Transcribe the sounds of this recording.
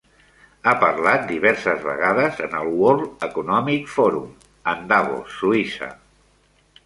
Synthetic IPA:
apəɾlat̪̚d̪iβ̞ɛɾsəzβə̰ɣ̞aðəzənəlˠwɔɾəkunɔmikfɔɾum | ənd̪aɣo̰suisə̰

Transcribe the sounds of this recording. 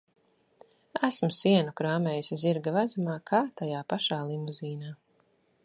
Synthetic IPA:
æsmusiɛnukɾaːmʲɛːjusiziɾɡavæzumaːkʰaːt̪ajaːpaʃaːlˠimuziːnaː

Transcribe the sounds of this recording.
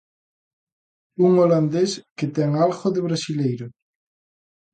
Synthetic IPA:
uŋoland̪esket̪ɛŋalɣoðeβɾasilejɾʊ

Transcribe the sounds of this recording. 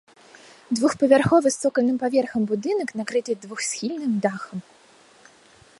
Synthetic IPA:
d̪vuxpɐvʲarxɔvɨst̪sɔkɐlʲnɨmpavʲɛrxɐmbud̪ɨnɐknakɾɨt̪ʲɛd̪vuxsʲxʲilʲnɨmd̪axɐm

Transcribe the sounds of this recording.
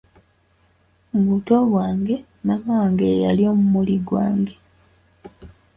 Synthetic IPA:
muβuto̞βwaːŋɡe̞ | mamawaːŋɡejaljo̞ːmumuliɡwaːŋɡe̞

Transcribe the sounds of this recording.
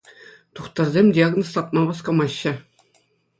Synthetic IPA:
t̪uχt̪ɤ̆rzʲemʲdʲiaɡnost̪ɑt̪̚mɑbɑskŏmɑɕːɘ̆

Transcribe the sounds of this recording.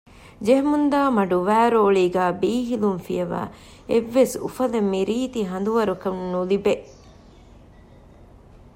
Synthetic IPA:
d͡ʒeɦmund̪aːmɐɖuʋæːɾoːɭiːɡæːbiːɦilunfijɐʋa̰ː | eʋːesṵfɐlɐmːiɾiːt̪iɦɐnd̪uʋɐɾukɐnnulibeʔ

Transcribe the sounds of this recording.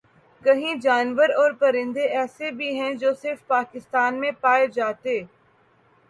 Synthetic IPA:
kɐɦĩd͡ʒaːnʋəɾɔːɾpɐɾɪ̃nd̪eʔɛːsebʱiɦɛ̃d͡ʒoːsɪɾfpaːkɪst̪aːnmẽpaːed͡ʒaːt̪eː

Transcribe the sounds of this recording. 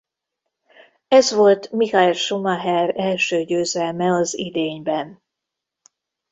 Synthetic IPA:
ɛzʋo̞lt̪mihɑɛlʃumɑɦɛrɛlʃøːɟøːzɛlmɛɒzid̪eːɲbɛn

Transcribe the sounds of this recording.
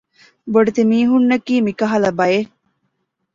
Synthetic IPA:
boɖet̪emiːɦunːɐkiːmikɐɦɐlɐbɐje

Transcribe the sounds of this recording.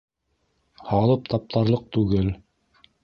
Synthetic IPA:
hɑlˠɤp̚t̪ɑp̚t̪ʰɑɾlˠɤq̚t̪ʉɡɘl

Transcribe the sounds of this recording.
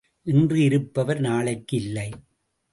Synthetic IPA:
ʔɪndrɯɪɾɯpːɐʋɐɾnaːɭɐɪkːɯɪlːɐɪ

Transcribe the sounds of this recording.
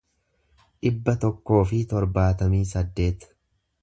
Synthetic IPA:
ᶑɪbːɐt̪ɔkːo̞ːfɪt̪ɔɾbaːt̪ɐmiːsɐd̪ːe̞ːt̪ɐ̥

